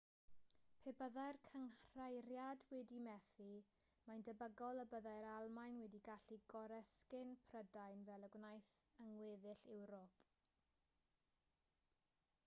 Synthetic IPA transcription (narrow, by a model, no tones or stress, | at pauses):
pʰebəðajrkʰəŋr̥ajɾjadwɛdimɛθi | majndəbəɡɔlˠəbəðajɾalˠmajnwɛdiɡaɬiɡɔɾəskɪnpʰrədajnvɛlˠəɡwnajθəŋwɪːðɪɬɛwɾɔpʰʼ